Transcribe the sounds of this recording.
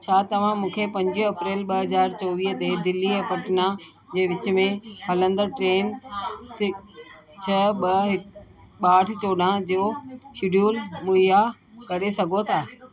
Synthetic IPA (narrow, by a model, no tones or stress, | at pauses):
t͡ɕʰaːt̪ɐʋ̤ãmũːkʰepɐ̃ɲd͡ʑiɦɐpɾeːlɓɐɦɐzaːɾt͡ɕɔːʋiːɦt̪ɐɦd̪ɪlːiɛpɐʈɪna | d͡ʑeːʋɪt͡ɕʊ̆mẽɦɐlə̃nd̪əʈɾeːnsɪks | t͡ɕʰɐɓɐɦɪ | ɓaːʈʰɪ̆t͡ɕoːɖãd͡ʑoʃɪɖjuːlmuija | kɐɾesɐɡʱot̪ʰaː